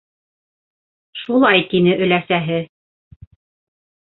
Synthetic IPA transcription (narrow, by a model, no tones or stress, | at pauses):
ʃulˠɑjt̪inɘʔɵ̆læsæɦɘ